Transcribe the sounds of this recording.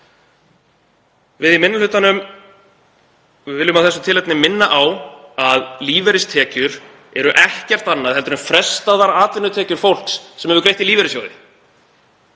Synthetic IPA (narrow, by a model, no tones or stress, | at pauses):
vɪðɪmɪnːʏlʏt̪anʏm | vɪːlːʏmaðθɛsʏt̪ʰɪlɛt̪nɪmɪnːaʔawaðliːvɛɾɪst̪ʰɛːcʏɾ | ɛɾʏʔɛhcɛr̥t̪anːaðhɛlt̪ʏɾʏmfɾɛst̪aðaɾaːt̪vɪnːʏt̪ʰɛːcʏɾ̥fowl̥ksːɛmɛɾvʏɾkɾejht̪iliːvɛɾɪsjoːwðɪ